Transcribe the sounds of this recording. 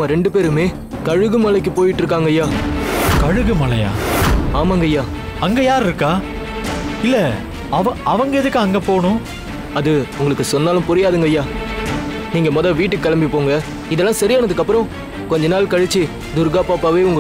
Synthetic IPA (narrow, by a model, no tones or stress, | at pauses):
mɐɾɛɳɖɯpeːɾɯmeː | kɐɻɯɣɯmɐlɐk̬ːɯpoːjɪʈːɾɯk̬ːaːŋɡɐjaːkɐɻɯɣɯmɐlɐja̰ːaːmaːŋɡɐjaː | ɐŋɡɐjaːɾɪɾɯkːaː | ɪlːɐ | ɐʋɐ̃ɐʋɐŋɡɐɪðɯkːɯɐŋɡɐpoːɳʊ̃ | ɐðɯʊŋɡɐɭɯkːɯsɔnːaːlɯ̃mpʊɾɪjaːðɯŋɡɐjaː | niːŋɡɐmɔðɐʋiːʈːɯkːɐlɐmbipːoːŋɡɐ | ɪðɛlːãːsɐɾɪjaːnɐðɯkːɐpːɯɾɔ̃ | kɔɲd͡ʒɐnaːlkɐɻɛt͡ʃːi | d̪ʊɾɡaːpaːpaːʋeːʊŋɡɐ